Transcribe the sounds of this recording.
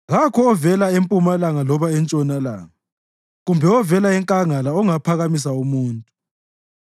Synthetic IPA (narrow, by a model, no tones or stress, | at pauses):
ɣakʰɔːvɛlaempʼumalaŋalɔβaɛnt͡ʃʼɔnala̰ːŋa | ɣumbʱɛɔvɛlaɛŋkʼaŋalaɔŋapʰaɣamis̬aumuːntʼu